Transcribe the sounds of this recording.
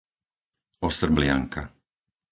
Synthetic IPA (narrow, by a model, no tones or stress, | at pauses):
ɔsr̩blɪa̰ŋka